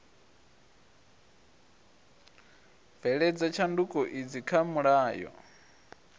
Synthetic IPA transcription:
vɛɺɛd͡zat͡ʃʰandukʼɔʔid͡zikʰamuɺaːjɔ̰

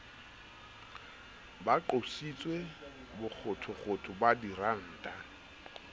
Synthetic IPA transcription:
baǃosit͡sʼwe | bʊk͡xʰʊtʰʊχʰʊtʰʊbadiran̩ːtʼa

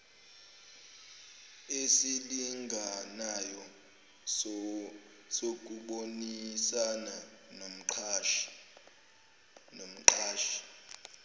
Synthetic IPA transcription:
esiliŋɡʱanajɔ | sok̬ʼuɓonisananom̩ǃʰʃ | nom̩ǃaːʃi̥

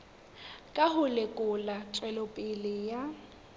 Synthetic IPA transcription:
kʼaɦʊlekʼʊlat͡sʼwɛlopʼɪlɪja

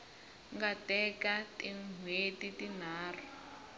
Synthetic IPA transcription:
ŋɡatɛkatiŋwetitin̤aːr̤u

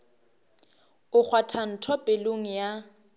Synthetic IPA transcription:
ʊk͡xʰwatʰan̩tʰɔpʼeloŋ̩ja

